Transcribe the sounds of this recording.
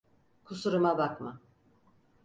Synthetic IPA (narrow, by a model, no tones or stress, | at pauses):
kʰusuɾumabakma